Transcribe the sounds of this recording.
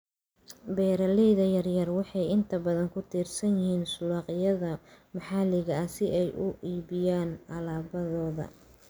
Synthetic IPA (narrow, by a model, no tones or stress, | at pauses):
bɛːɾɐlɛjðɐjɐrjɐrwɑħɑjɪnt̪ʰɐbɐðɐŋkʰʊt̪ʰiːrsɐnjɪhiːnsʊlɑːqɪjɐðɐmɑħɑlɪɣɐɐsɪʔɛjʔʊʔiːβɪjaːnʔɐlaːbɐðɔːðɐ̰